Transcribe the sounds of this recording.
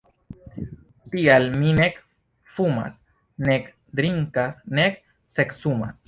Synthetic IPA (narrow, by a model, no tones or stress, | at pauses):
pialminek | fuma̰s | nek | d̪ɾiŋkasnek̚ | seksuma̰s